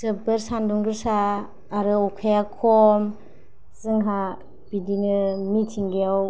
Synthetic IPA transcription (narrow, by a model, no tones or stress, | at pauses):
sɯbɯɾsanduŋɡɯɾsaː | ɾɯɔkʰajakʰɔm | zɯŋɦa | b̥idinɯmitʰiŋɡiaw